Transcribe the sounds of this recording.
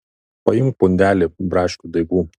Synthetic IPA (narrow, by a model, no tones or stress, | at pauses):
pɐjʊŋk̚pʊnʲd̪ʲæːlʲeːbɾɑːʃʲkʲud̪ɐɪɡuː